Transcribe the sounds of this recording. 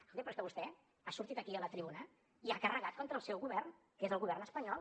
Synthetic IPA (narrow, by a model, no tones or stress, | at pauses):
old̪ipɾeskəβust̪ɛ | asuɾt̪it̪əkiələt̪ɾiβunə | iakərəɣat̪̚kɔnt̪ɾəːlˠsɛwɣuβɛrn | kezəlˠɣuβɛrnəspəɲɔlˠ